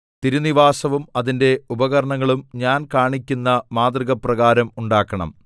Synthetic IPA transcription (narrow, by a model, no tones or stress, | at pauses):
t̪iɾuniʋaːsɐʋumɐðinde̞ubɐɣɐɾɐɳɐŋːɐɭumɲaːnkaːɳikʲːunːɐmaːd̪riɣɐprɐɣaːɾɐmuɳɖaːkːɐɳɐ̰m